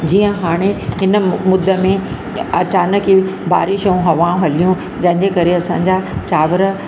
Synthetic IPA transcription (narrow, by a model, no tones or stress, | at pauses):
d͡ʑiːə̃ɦaːɽ̃eɦɪnə̆mʊd̪ʱːəmẽ | ɐt͡ɕaːnəkiba̰ːɾiʃɐũɦɐʋãɦɐlijũ | d͡ʑɐ̃ɦɪ̃ɲd͡ʑekɐɾeɐsã̰ːɲd͡ʑat͡ɕaːʋəɾə